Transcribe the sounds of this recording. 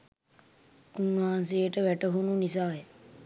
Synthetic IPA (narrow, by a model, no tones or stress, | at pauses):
unːuɦans̬ejəʈəʋæʈəɦununisaːjə